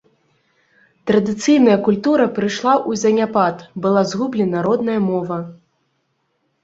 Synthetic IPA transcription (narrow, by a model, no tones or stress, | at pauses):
t̪ɾɐd̪ɨt̪sɨjnɐjɐkulʲt̪uɾɐpɾɨʂlˠaʔuzʲɐnʲapat̪bɨlˠazɣublʲɛnɐɾɔd̪nɐjɐmɔvɐ